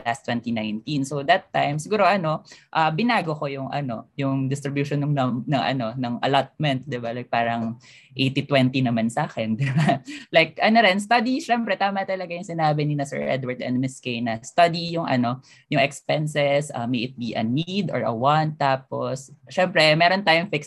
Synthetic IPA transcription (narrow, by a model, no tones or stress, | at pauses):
last̪wɛnt̪inãjnt̪insowd̪ɐt̪ːajmsɪɡuːɾoʔɐno̞ʔɐbɪnaːɡokojʊŋʔɐ̰no̞̰jʊŋd̪ɪst̪ɾɪbjuʃonːʊŋnɐnɐŋʔɐ̰no̞nɐŋʔɐ̰lat̪̚mɛ̃nt̪̚d̪ɪbalajk̚paːɾɐŋ | ʔejt̪it̪wɛnt̪inɐmansaːkɛnd̪ɪbalajk̚ʔɐnoɾɛnst̪ɐd̪iʃɛmpɾɛt̪aːmɐt̪ɐlɐɡajʊŋsɪnaːbɪnɪnɐsɛ̰ɹʔɛ̰d̪wɐɹd̪ɛ̰̃nd̪̚mɪskejnɐst̪ɐd̪ijʊŋʔɐ̰no̞ | jʊŋɛkspɛnsɛsʔɐ̰mejʔɪt̪̚biʔɐ̰nid̪o̰ɹʔɐ̰want̪ːaːposʃɛmpɾɛmɛːɾont̪aːjʊŋfɪks